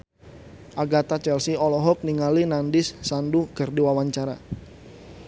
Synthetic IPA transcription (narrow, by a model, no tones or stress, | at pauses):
ʔaɡat̪at͡ʃɛlsiɔlɔɦɔk̚niŋalinandɪsːandukərdiwawaɲt͡ʃaɾa̰